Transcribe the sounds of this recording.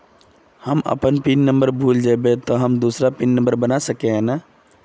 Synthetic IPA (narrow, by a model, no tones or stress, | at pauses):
həmə̰pənpinːəmbəɾbʱuld͡ʒajbet̪ɔɦəmd̪usɾapinːə̃mbəɾbənasəkeɦɛ̃na